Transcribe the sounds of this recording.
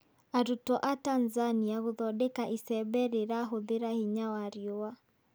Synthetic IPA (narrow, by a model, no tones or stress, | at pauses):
aɾutɔʔatanzaniaɣoðɔdekaʔisɛbɛɾeɾaɦoðeɾahiɲawaɾioa